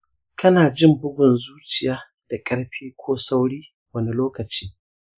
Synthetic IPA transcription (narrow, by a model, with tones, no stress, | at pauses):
kʰɐ˦naː˨d͡ʒɪ˦˨mbʊ˦ɡʷʊ˨nzuː˦t͡ʃɪ˨jaː˨˦ | d̥a˨kʼɐ˦ɽɸiː˦kʷoː˦sa˦wɽiː˦ | wɐ˦ni˦loː˦kɐ˨t͡ʃiː˦